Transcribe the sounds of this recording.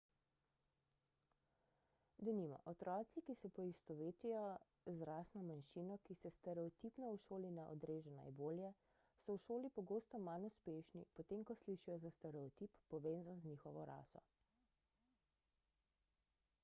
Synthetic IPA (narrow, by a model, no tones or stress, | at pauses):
d̪ɔnimɔ̰ʔɔt̪ɾɔːt̪sikisɛpɔist̪ɔʋeːt̪ijɔ | zɾaːsnɔmanʃiːnɔkisɛst̪ɛɾɛɔt̪ipnɔuʃoːlinɛʔɔ̰d̪ɾeːʒɛna̰jboːljɛ | sɔwʃoːlipɔɡoːst̪ɔmanuspeːʃnḭpɔt̪eːmkɔsliʃijɔzast̪ɛɾɛɔt̪iːpːɔʋeːnzanzniːxɔʋɔɾa̰ːsɔ̰